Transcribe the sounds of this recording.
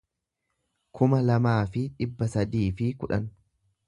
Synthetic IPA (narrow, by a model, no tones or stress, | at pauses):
kʰʊmɐlɐmaːfɪᶑɪbːɐsɐd̪iːfɪkʊᶑɐn